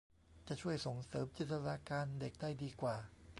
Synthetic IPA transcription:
t͡ɕa˨˩t͡ɕʰu˥˩əjso˨˩ŋsɤː˩˦mt͡ɕi˨˩t̪ʰːa˧ɾa˧kaː˧nde˨˩k̚daː˥˩jdiː˧kwaː˨˩

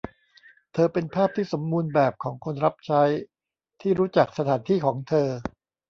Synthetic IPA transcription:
t̪ʰɤː˧pe˧npʰaː˥˩p̚t̪ʰiː˥˩so˩˦mːuː˧nbɛː˨˩p̚kʰɔː˩˦ŋkʰo˧nɾa˦˥p̚t͡ɕʰa˦˥j | t̪ʰiː˥˩ɾuː˦˥t͡ɕa˨˩k̚sa˧t̪ʰaː˩˦nt̪ʰiː˥˩kʰɔː˩˦ŋt̪ʰɤː˧

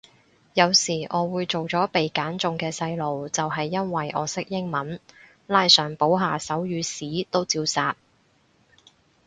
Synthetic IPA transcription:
jɐ˨˧wsiː˨˩ʔɔː˨˧wuː˨˧jt͡ʃo˨wt͡sɔː˨˥pe˨jkaː˨˥nt͡sʊ˨˧ŋkɛː˧sɐ˧jlo˨wt͡sɐ˨wɦɐ˨jːɐ˥nwɐ˨jʔɔ̰ː˨˧sɪ˥k̚jɪ˥ŋmɐ˨˥n | laː˧jsœː˨˩ŋpo˨˥wɦaː˨sɐ˨˥wjyː˨˧siː˨˥t̪o˥wt͡siː˧wsaː˨t̚

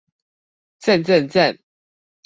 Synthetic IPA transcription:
t͡sə˥˨nt͡sə˥˨nt͡sə˥˨n

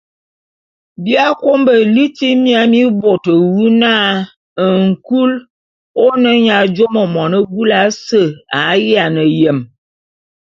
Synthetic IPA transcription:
bi˦a˦ko˦mbə˨li˦ti˦mja˨˦mi˦bo˨tə˨wu˦na˦ | ə˨ŋ̩˨ku˦l | o˦nə˦ɲa˨d͡ʒo˦mə˨mɔ˨nə˦ɡu˦la˨˦sə˦˨a˨˦ja˨nə˨jə˨m

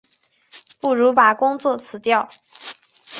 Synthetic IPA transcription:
pu˥˩ɻu˧˥pa˨˩kʊ˥ŋt͡swɔ˥˩t͡sʰɹ̩˨˩t̪jɑ˥˩ʊ

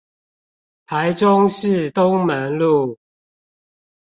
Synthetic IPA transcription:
t̪ʰa˨˦ɪʈ͡ʂʊ˦ŋʂɻ̩˥˨t̪ʊ˦ŋmə˨˦nlu˥˨

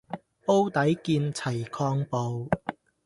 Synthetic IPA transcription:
o˥wt̪ɐ˨˥jkiː˧nt͡sʰɐ˨˩jkʰɔː˧ŋpo˧w

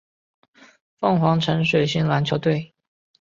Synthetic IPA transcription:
fɤ˥˩ŋxwɑ˧˥ŋʈ͡ʂʰə˧˥ŋʂwe˨˩ɪɕi˥nla˧˥nt͡ɕʰjo˧˥ʊt̪we˥˩ɪ

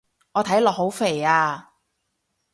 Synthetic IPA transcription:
ŋɔː˨˧t̪ʰɐ˨˥jlɔː˨k̚ho˨˥wfe˨˩jaː˧

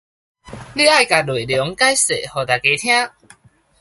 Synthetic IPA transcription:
li˥˧a˥˧˨jka˨˩lu˨˩˨ljɔ˨˦ŋka˦jsḛ˨hɔ˨˩t̪a˨˩ke˨˦t̪ʰj̃ã˦˥

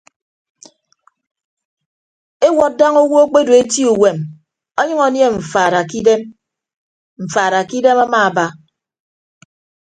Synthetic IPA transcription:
e˦wɔ˨t̚da˦ŋo˦wo˦o˦k͡pe˦do˨e˦ti˦u˨we˨m | ɔ˦ɲʌ˦ŋɔ˨nje˦ɱ̩˨fa˨ɾa˨ki˦de˦m | ɱ̩˨faː˨ɾa˨ki˦de˦ma˦ma˦a˨ba˦

